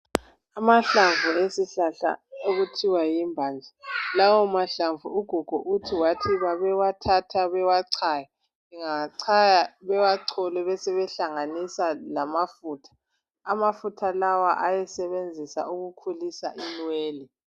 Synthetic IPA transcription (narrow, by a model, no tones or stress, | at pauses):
amaɬaɱvʱuesiɬaɬa̰oɣutʰiwajimbʱaːnd͡ɮʱalawɔmaɬaɱvṵuɡ̥ʱuɡ̥ʱɔʔutʰiwatʰiβaβɛwatʰatʰaβɛwaǀʰaja | iŋaǀʰajaβɛwaǀʰɔlɛβɛsɛβɛɬaŋanisalamafuːtʰḁː | mafutʰalawaʔajɛsɛβend͡zʱisa̰uɣukʰulisa̰ʔinweːli